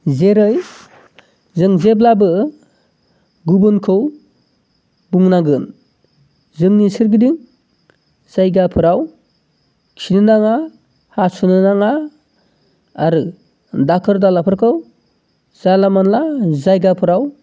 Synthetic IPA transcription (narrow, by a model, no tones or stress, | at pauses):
zeɾɯj | zɯŋzeblabɯ | ɡubɯnkʰɯw | buŋnaɡɯn | zɯŋnisiɾɡidiŋ | z̥ajɡapʰɯɾaw | kʰinɯnaŋa | hasunɯnaŋa | aɾɯ | dakʰɯɾdalapʰɯɾkʰɯw | z̥alamanlazajɡapʰɯɾaw